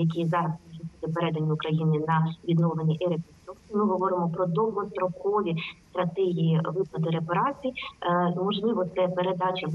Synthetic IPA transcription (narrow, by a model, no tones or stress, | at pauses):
jɐk̬ʲizɑɾɐssusʲɪt̪ʲɐpeɾɛd̪ɐnʲːiʊkɾɐjinɪnɐʋʲid̪nɔʋenʲːiʔiɾepɔsuksʲimɨɦɔʋɔɾɪmɔpɾɔd̪ɔwɦɔst̪ɾɔkɔʋʲist̪ɾɐt̪ɛɦʲijiʋɪpɐd̪ɪɾepɐɾɑt͡sʲijmɔʒniʋɔt̪sɛpeɾed̪ɑt͡ʃʲɪ